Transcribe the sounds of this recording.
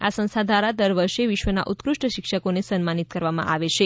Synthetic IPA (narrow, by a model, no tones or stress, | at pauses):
asə̃ñst̪ʰad̪ʱaɾad̪əɾʋəɾʃeʋɪʃʋəna̰ʔut̪kɾuʂʈəʃɪkʃəkonesənmanit̪kəɾʋamã̰ʔaʋet͡ʃʰe